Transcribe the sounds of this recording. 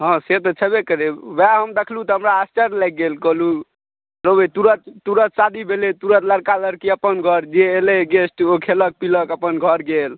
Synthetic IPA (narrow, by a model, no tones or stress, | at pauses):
ɦɔ̃set̪ɔt͡ʃʰəbekəɾebaɦəmd̪ekʰlut̪ɔɦəmɾaasʈəɾlaɪk̚ɡelkəlu | ɾobet̪uɾət̪t̪uɾət̪̚sad̪ibʱelet̪uɾət̪ləɾkaləɾkiəpənɡʱəɾd͡ʒeːleɡesʈokʰelək̚piləkəpənɡʱəɾɡel